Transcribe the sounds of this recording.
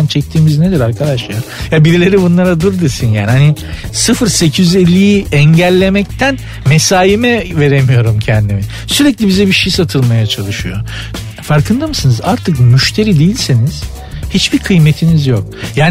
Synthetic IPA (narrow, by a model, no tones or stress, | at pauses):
ant͡ʃʰɛc̚t̪ʰiːmizned̪iɾaɾkʰad̪aʃlˠaɾ | jabiɾilʲe̞ɾibunlˠaɾad̪uɾd̪ɯsinja̰ːnihani | sɯfɯɾse̞cʰijyzelʲːijiɛɲɟælʲːe̞mɛc̚t̪ʰæn | mesaːjimɛve̞ɾemijo̞ɾumcʰɛnd̪imi | syɾɛclʲibizɛbiʃejsat̪ʰɯlˠmajat͡ʃʰalˠɯʃɯjo̞̰ | faɾkʰɯnd̪amɯsɯnɯzaɾt̪ʰɯkmyʃt̪ʰe̞ɾid̪ejilʲseniz̥ | hit͡ʃbiɾkʰɯjme̞t̪ʰinizjok̚jaːn